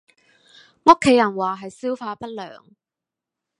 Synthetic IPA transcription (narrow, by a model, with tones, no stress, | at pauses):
ŋo˥kʰːe˨˧jɐ˨˩nwaː˨˩ɦɐ˨jsiː˥wfaː˧pɐ˥t̚lœ̰ː˨ŋ